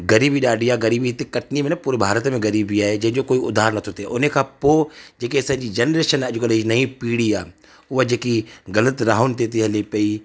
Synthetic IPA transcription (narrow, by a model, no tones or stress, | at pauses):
ɡɐɾiːbiɗaːɖijaɡɐɾiːbiɦt̪ikɐʈnimẽnpuːɾebʱaːɾət̪mẽɡɐɾiːbiaːed͡ʒɐ̃d͡ʒokoːiʊ̰d̪ʱːaːɾnɐt̪ʰot̪eʔʊnẽkʰapoːd͡ʒeːkesãːɲd͡ʒid͡ʒɐnɾeːʃənɛd͡ʒukəleinɐĩpiːɽia̰ː | ʊad͡ʒeːkiɡɐlət̪ɾaːɦʊnt̪et̪̬iɦɛleːpɐiː